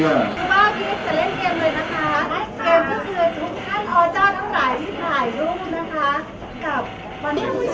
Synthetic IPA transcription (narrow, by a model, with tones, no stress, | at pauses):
ɯ˧baː˥˩k̪ʰi˧˥t͡ɕa˨˩le˥˩keː˧mlɤː˧jna˦˥kʰa˦˥keː˧mt̪ʰɔː˥˩kʰɯ˧t̪ʰu˦˥k̚t̪ʰa˥˩nʔʰɔː˧t͡ɕɔː˥˩t̪ʰa˥˩wɾa˨˩˦jt̪ʰiː˥˩p̪ʰaː˨˩jluː˥˩na˦˥kʰa˦˥ | ka˨˩p̚ | wa˧nʔa˧˥n